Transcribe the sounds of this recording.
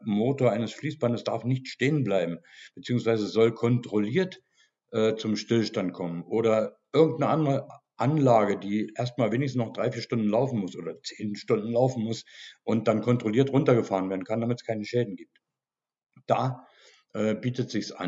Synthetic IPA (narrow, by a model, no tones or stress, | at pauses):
moːtoːɐʔaɪnəsfliːsb̥andəsd̥aɐfnɪçtʃteːənblaɪbm̩b̥ət͡siːʊŋsv̥aɪzəzɔlkʰɔntʁ̥oliːɐt | ʔɛːt͡sʊmʃtɪlʃtantkʰɔmənʔoːɾɐʔɪɐɡŋ̩tnəʔandəʁəʔanlaːɡədiːʔeːɐst̚maːlveːnɪçsn̩snɔχd̥ʁaɪfiːɐʃtʊndn̩laʊfn̩mʊsʔo̰ːdɐt͡seːnʃtʊndn̩laʊfn̩mʊsʔʊnt̚d̥ankʰɔntʁ̥oliːɐtʁʊntɐɡəfaːʁ̞ənveːɐdn̩kʰandamɪtə̥skʰaɪnəʃɛːdn̩ɡiːp̚t | d̥aː | ʔɛːbiːtətz̥ɪçsʔa̰